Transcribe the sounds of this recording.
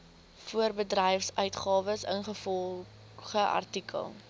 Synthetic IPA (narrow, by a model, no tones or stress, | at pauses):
fuərbədrɛjfsœɥtχɑːvəsənχəfɔlˠ | χəʔɐ̰rtikʰə̰lˠ